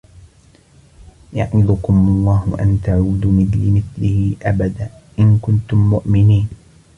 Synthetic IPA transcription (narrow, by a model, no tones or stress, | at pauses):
jaʔmɪd̪ʊkʊmɑlˤːɑːɦʊʔa̰nt̪aʕuːd̪mɪθlɪmɪθlɪhɪʔabad̪aːʔɪnkʊnt̪ʊmːʊʔmɪniːn